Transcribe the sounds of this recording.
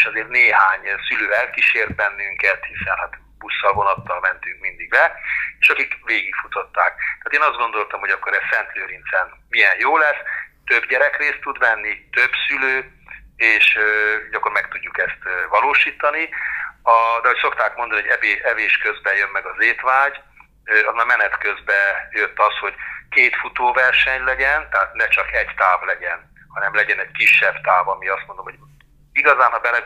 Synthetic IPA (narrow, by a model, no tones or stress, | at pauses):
eʃɒzeːrt̪neːɦaːɲsyløːɛlkiʃeːrt̪̚bɛnːyŋkɛt̪hisɛnhat̪ | busːɒlvo̞nɒt̪ːɒlmɛnt̪yŋkmind̪iɡbɛeːʃɒkikʋeːɡikfut̪ot̪ːa̰ːk̚t̪at̪eːnɒzd̪ɡo̞nd̪o̞lt̪ɒmho̞ɟɒkːo̞ɾɛsɛnt̪løːɾint̪sɛnmijɛnjoːlɛst̪øbɟɛɾɛkreːst̪ːud̪ʋɛnːit̪øbsyløː | eːʃɟɒkːormɛkt̪uɟːukɛst̪ːvɒloːʃiːt̪ɒniɒd̪ɛɦo̞cso̞kt̪aːkmond̪ɒnioɟɛbeːɛveːʃkøzbɛjømːɛɡɒzeːt̪ʋaːɟ | ɒzmaːlmɛnɛt̪kø̞zbɛjøt̪ːɒsho̞ɟkeːt̪fut̪oːvɛrʃɛɲlɛɟɛnt̪ɛɦaːt̪nɛt͡ʃɒkɛɟt̪aːvlɛɟɛn | hɒnɛmlɛɟɛnɛɟkiʃːɛbt̪aːvɒmiɒst̪mo̞nd̪omhoɟ | iɡɒzaːnɦɒbɛlɛ